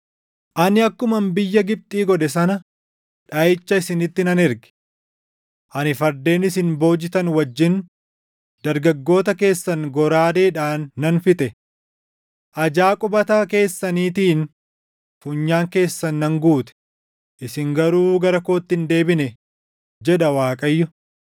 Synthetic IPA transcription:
ʔɐnɪɐkːʊmɐmbɪjːɐɡɪb̚t̪ʼiːɡɔᶑɛsɐnɐ | ᶑɐɪt͡ʃːɐɪsɪnɪt̪ːɪnɐnɛɾɡɛ̥ | ʔɐnɪfɐɾd̪e̞ːnɪsɪnbo̞ːd͡ʒɪt̪ɐnwɐd͡ʒːɪn | d̪̥ɐɾɡɐɡːo̞ːt̪ɐke̞ːsːɐnɡɔɾaːd̪eːᶑaːnːɐnfɪt̪ʼɛ | ʔɐd͡ʒaːkʼʊbɐt̪aːke̞ːsːɐniːt̪iːn | fuɲːaːŋke̞ːsːɐnːɐŋɡuːt̪ɛ̥ | ʔɪsɪŋɡɐɾuːɡɐɾɐkoːt̪ːɪnd̪e̞ːbɪnɛ | d͡ʒɛᶑɐwaːkʼɐjːʊ

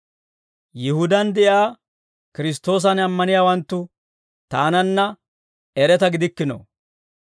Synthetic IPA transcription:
jɪhʊd̪ɐnd̪ɛʔjaː | kɪɾɪs̬t̪ːo̞ːs̬ɐnɐmːɐnɪjaːwɐnt̪ːʊ | t̪aːnɐnːɐ | ɛɾɛt̪ɐɡɪd̪ɪkːɪno̰

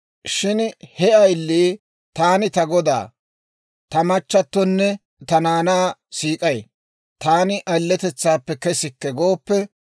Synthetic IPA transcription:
ʃɪnhɛʔɐjlːi | t̪aːnɪt̪ɐɡɔd̪a̰ː | t̪ɐmɐt͡ʃːɐt̪ːɔnːɛ | t̪ɐnaːnaːsiːkʼɐj | t̪aːnɪʔɐlːɛt̪ɛt͡sːaːpːɛkɛsɪkːɛɡo̞ːpːɛ

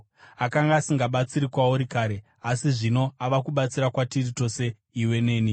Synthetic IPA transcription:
akaŋɡaːsiŋɡaɓat͡siɾikwauɾikaːɾe̞ | asiʐino̞aʋakuɓat͡siɾakwatirito̞se̞ | iwe̞ne̞ːni

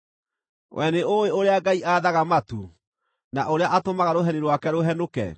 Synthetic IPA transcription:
wʔɛneoweoɾeaɡaiʔaːðaɣamatu | naʔoɾeaʔatomaɣaɾoɦɛniɾwakɛɾoɦɛnokɛ̰

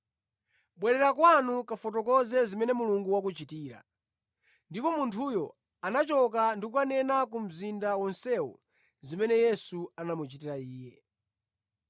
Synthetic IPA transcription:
ɓwɛɾɛɾakwanukafɔtɔkɔzɛzimɛnɛmuluŋɡuwak̬ut͡ʃitiːɾa̰ | ndipɔmuntʰujɔ | anat͡ʃɔkandikukanɛnak̬um̩zindawɔnsɛwɔ̰ | zimɛnɛjɛsuanamut͡ʃitiɾaiːjɛ

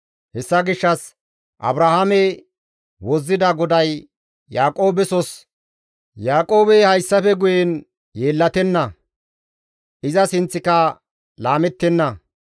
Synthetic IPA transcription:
hɛsːɐɡɪʃːɐs | ʔɐ̰bɾahamɛ | wɔzːɪd̪ɐɡɔd̪ɐj | jaːkʼo̞ːbɛsɔs | jaːkʼo̞ːbɛhɐjsːɐfɛɡʊjɛn | jeːlːɐt̪ɛnːɐ | ʔɪzɐsɪnt͡sːɪkɐ | laːmɛt̪ːɛnːɐ

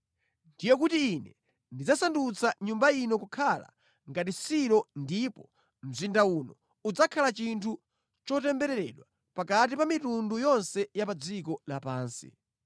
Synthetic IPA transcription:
ndijɛk̬utiːnɛ | ndid͡zasandut͡sʰaɲumbainɔkukʰala̰ | ŋɡat̬isiɾɔndipɔ | m̩zindaunɔ | ud͡zakʰalat͡ʃintʰu | t͡ʃɔtɛmbɛɾɛɾɛɗwa | pakatipamitundujɔnsɛjapad͡zikɔlapaːnsḭ

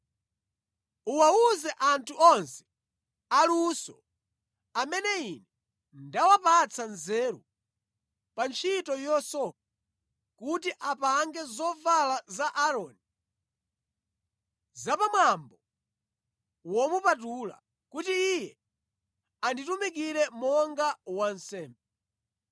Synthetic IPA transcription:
uwauzɛʔantʰuɔnsɛ̥ | alusɔ | amɛnɛinɛ | ndawapat͡sʰanzɛːɾu | pant͡ʃʰitɔjɔsɔk̚a | kutiʔapaŋɡɛzɔvalazaʔaɾɔːni | zapamwambɔ | wɔmupatula̰ | kutiːjɛ | anditumik̬iɾɛmɔŋɡawansɛːmbɛ

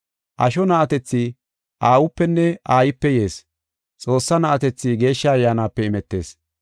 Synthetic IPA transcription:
ʔɐʃɔnɐʔɐt̪ɛt͡sːi | ʔaːwʊpːɛnːɛʔaːjɪpːɛjeːs | t͡sʼo̞ːsːɐnɐʔɐt̪ɛt͡sːiɡe̞ːʃːɐɐjːaːnaːpːɛɪmɛt̪ːe̞̰ːs

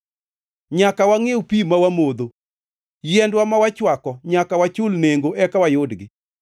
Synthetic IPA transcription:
ɲakawaŋewpimawamod̪o | jɛndwamawat͡ʃwakɔɲakawat͡ʃʊlneŋɡoʔɛkawajʊdɡɪ

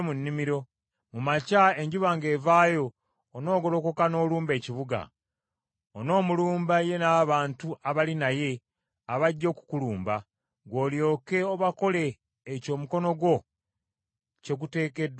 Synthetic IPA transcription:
munːimiɾo̞ | mumacae̞ɲɟuβaŋɡe̞ːvaːjo̞ː | no̞ːɡo̞lo̞ko̞kano̞ːluːmbe̞ːciβuɡa̰ | ono̞ːmuluːmbaje̞naβaːntuaβalinaje̞ | aβaɟːo̞ːku̥kuluːmba | ɡwo̞ːljo̞ːke̞oβako̞le̞ː | co̞ːmuko̞no̞ɡwo̞ | ce̞ɡute̞ːke̞dw

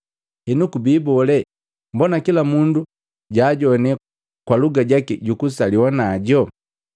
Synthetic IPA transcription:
hɛnukubiːbɔlɛ | mbɔnakilamundu | ɟaːɟɔnɛ | kwaluɡaɟakiɟukusaliwɔnaːɟɔ

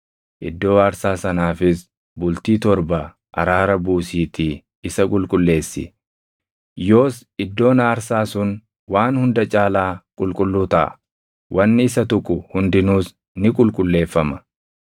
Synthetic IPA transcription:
ʔɪ̰d̪ːo̞ːɐɾsaːsɐnaːfɪs | bʊlt̪iːt̪ɔɾbɐ | ʔɐ̰ɾaːɾɐbuːsiːt̪ɪ | ɪsɐkʼʊlkʼʊlːe̞ːsːɪ̰ | jo̞ːs | ɪd̪ːo̞ːnɐɐɾsaːsʊn | waːnhʊnd̪ɐt͡ʃʼaːlaːkʼʊlkʼʊlːuːt̪ɐ̰ʔɐ̰ | wʔɐnːɪɪsɐt̪ʊkʼːʊhʊnd̪ɪnuːs | nɪkʼʊlkʼʊlːe̞ːfːɐmɐ

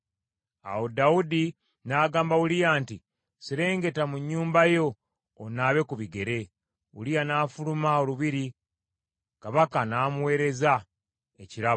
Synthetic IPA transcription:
a̰wo̞daudi | naːɡaːmbawulijaːnti | siɾe̞ːŋɡe̞tamuɲːuːmbajo̞ː | naːβe̞kuβiɡe̞ɾe̞ | ṵlijanaːfulumao̞luβiɾi | kaβakanaːmuwe̞ːɾe̞za | e̞ciɾaβo

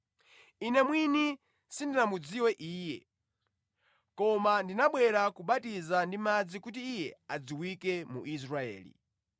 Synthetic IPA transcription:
inɛmwini | sindinamud͡ziwɛʔiːjɛ̰ | kɔmandinaɓwɛɾakuɓatizandimad͡zikut̬iːjɛad͡ziwikɛmṵʔis̬ɾaɛ̰ːlḭ

